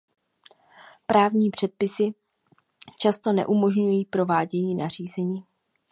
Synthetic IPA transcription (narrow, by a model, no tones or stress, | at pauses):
pɾaːvɲiːpr̥ɛt̪̚pɪsɪ | t͡ʃast̪o̞nɛ̰ʔumo̞ʒɲujiːpɾo̞vaːɟɛɲiːnar̝iːzɛɲiː